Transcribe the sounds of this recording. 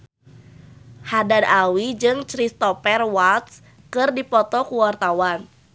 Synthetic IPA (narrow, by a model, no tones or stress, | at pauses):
hadadawid͡ʒɨŋt͡ʃɾist̪ɔpɛrwalt̪s | kɨrdipɔt̪ɔkuwart̪awan